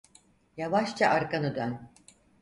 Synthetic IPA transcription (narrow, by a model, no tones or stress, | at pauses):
javaʃt͡ʃʰaʔaɾkʰanɯd̪øn